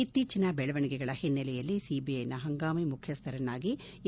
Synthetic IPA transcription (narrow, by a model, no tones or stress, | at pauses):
it̪ːiːt͡ʃinɐbɛɭɐʋɐɳiɡɛɡɐɭɐhenːɛlɛjɐlːisiːbiɐjnɐɦɐŋɡaːmimukʰjɐst̪ʰɐɾɐnːaːɡi